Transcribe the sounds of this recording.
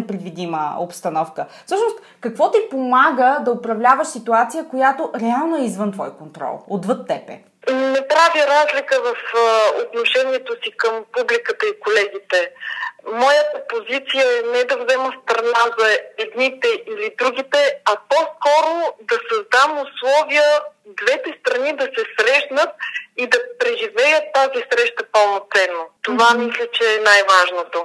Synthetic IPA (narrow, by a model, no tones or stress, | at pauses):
ɛpɾɛd̪vid̪imə̰o̰pst̪ɐnɔfkəfsɤʃnost̪ | kɐkvɔt̪ipomaɡəd̪ɐopɾɐvlʲavəʃsit̪uat̪sijəkojat̪oʔɾɛalˠnoɛizvɤnt̪vɔjkont̪ɾɔ̰lˠod̪vɤt̪ːɛpɛ̰ | nɛpɾaviɾazlʲikəvɐfot̪noʃɛniɛt̪osikəmpublikət̪əikolɛɡ̟it̪ɛ | mɔjət̪əpozit̪sijəɛnɛɛd̪ɐvzɛməfst̪ɾɐnazɐɛd̪nit̪ɛʔilid̪ɾuɡ̟it̪ɛɐpɔskɔɾod̪ɐsɐzd̪amʊslˠɔvijəd̪vɛt̪ɛst̪ɾɐnid̪ɐsɛsɾɛʃnət̪̚id̪ɐpɾɛʒivɛjət̪ːazisɾɛʃt̪əpəlˠnot̪sɛnːot̪ovamislʲət͡ʃɛːnajvaʒnot̪o